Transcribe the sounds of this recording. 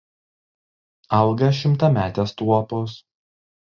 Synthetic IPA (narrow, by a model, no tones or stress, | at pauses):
ɐlˠɡɐʃʲɪmˑt̪ɐmʲæːt̪ʲeːst̪uɔpos